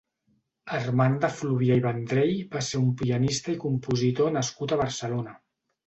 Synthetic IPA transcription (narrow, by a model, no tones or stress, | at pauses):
ərmand̪əfluβjaiβənd̪ɾejbaseɾumpiənist̪əikumpuzit̪onəskut̪əβ̞əɾsəlonə